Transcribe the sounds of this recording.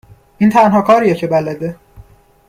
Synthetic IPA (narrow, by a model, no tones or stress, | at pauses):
iːnt̪ʰænɦɒːkʰɒːɾijecʰe̞bælæd̪e